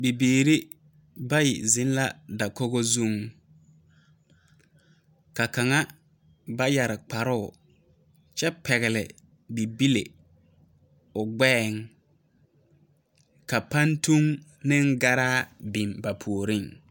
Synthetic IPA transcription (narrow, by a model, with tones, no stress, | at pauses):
bi˨biː˨ɾi˦ | ba˦jɪ̰˨zɪ˦n˦la˦da˨kɔ˦ɣɔ˦zu˦˨ŋ | ka˨ka˨ŋa˦ | ba˦ja˨ɾɪ˨k͡pa˨ɾʊ˦ʊ˨ | t͡ʃɛ˦pɛ˨ɣɪ˨lɪ̰˨ | bi˨bi˦lḛ˨ | ʊ˨ɡ͡bɛː˦˨ŋ | ka˨pa˦ntu˦ŋ | nɪ˦ŋ˦ɡa˦ɾaː˦bi˨mba˨pʰu˨o˨ɾɪ˦ŋ